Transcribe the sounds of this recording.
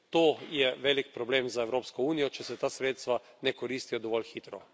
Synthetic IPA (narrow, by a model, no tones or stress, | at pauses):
t̪oːjɛʋeːlikpɾɔbleːmzaɛwɾoːpskɔuːnijɔt͡ʃɛsɛt̪aːsɾeːt̪st̪ʋa | nɛkɔɾiːst̪ijɔd̪ɔʋɔlxiːt̪ɾɔ